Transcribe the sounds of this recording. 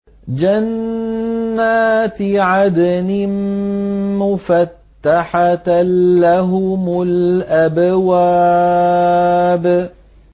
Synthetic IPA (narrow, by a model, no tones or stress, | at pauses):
d͡ʒanː | aːt̪ʕad̪anɪm | mʊfat̪ːaħaː | aɦʊmʊlʔabwaː | b